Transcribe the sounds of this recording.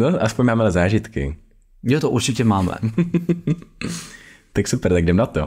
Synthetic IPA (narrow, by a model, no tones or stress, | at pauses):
noʔaspoɲmaːmɛlɛzaːʒɪt̪kɪ̰ | jot̪oʔuɾt͡ʃɪcɛmaːmɛ̰ | t̪aksupɛɾt̪aɡ̚dɛmnat̪o